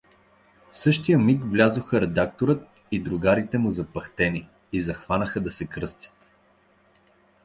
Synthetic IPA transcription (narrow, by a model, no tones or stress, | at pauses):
fsɤʃt̪ijəmikvlʲazoxəɾɛd̪ak̚t̪oɾət̪̚ | id̪ɾʊɡaɾit̪ɛmʊzɐpɐxt̪ɛni | izɐxvanəxəd̪ɐsɛkɾɤst̪ʲjə̥t̪